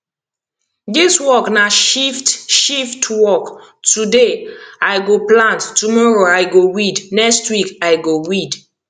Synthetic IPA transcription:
diswɔknaʃiftʃiftwɔktudeaɪɡoplãnttːumɔɹoajɡowidnɛkstwikaɪɡowid

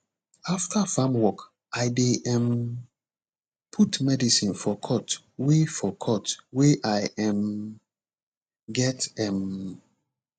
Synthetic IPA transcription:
aftʰafãmwɔk | aɪdeʔɛ̃m | pʰutmɛdisĩnfɔkʰɔt | wefɔkʰɔtweʔaɪɛ̃m | ɡɛtɛ̃m

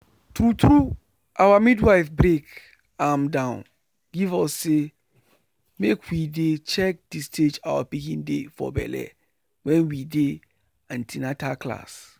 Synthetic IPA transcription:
tɾutɹu | awamidwaɪfbɾek | ãmdãʊ̃n | ɡivɔsːe | mekʰwidet͡ʃɛk̚d̥istʰed͡ʒawapikĩndefɔ̰bɛ̰lɛ̰ | wɛ̃nwide | ãntʰinatakla̰s

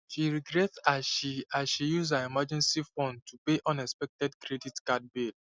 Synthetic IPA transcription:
ʃiɹiɡɾɛtsazʃiasʃijuzaɛmad͡ʒɛ̃nsifɔ̃ndtʰupeʔɔ̃nɛkspɛk̚tɛdkʰɾeditkad̚bid

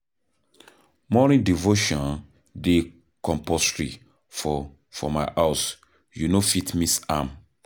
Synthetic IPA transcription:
mɔnĩdivoʃɔ̃n | de | kɔ̃mpɔstɹḭ | fɔ | fɔ̰maɪʔaʊs | junofitmisãm

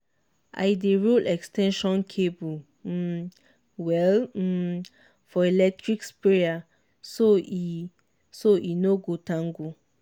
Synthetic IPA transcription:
ʔa̰ɪdeɹulʔɛkstɛ̃nʃɔ̃nkʰebu | wɛl̩ | fɔelɛk̚tɹikspea | soi | soʔinoɡotãŋɡu

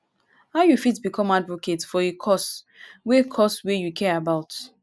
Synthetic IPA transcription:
haʊjufitbikʰɔ̃madvokʰetfɔekʰɔs | wekʰɔswejukʰɛɹabaʊt

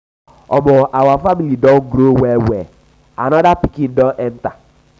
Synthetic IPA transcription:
ɔmɔʔawafamilidɔ̃nɡɾowɛwɛ | a̰nɔdapi̥kĩndɔnʔɛn̩ta

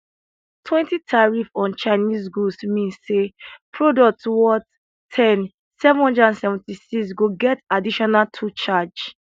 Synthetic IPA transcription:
tʰwɛ̃ntitʰaɹifɔ̃nt͡ʃaɪnisɡusmĩnsːepʰɹodɔk̚twɔt | tʰːɛ̃n | sɛṽɔ̃ndãnsɛvɔ̃ntisiks̬ɡoɡɛtadiʃɔnaltʰut͡ʃad͡ʒ

